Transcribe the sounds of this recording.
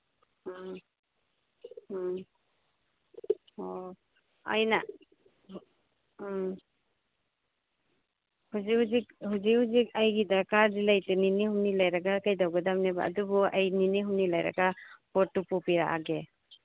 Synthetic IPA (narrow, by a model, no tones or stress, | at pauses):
ɔ | a̰jna | huzihuzik̚huzikhuzik̚ajɡidakaɾdilajtɯninihumnilajɾaɡakajdawɡadamneba̰ːdubɔajniniɦumnilajɾa̰ɡapɔɾtupupiɾa̰ʔa̰ɡe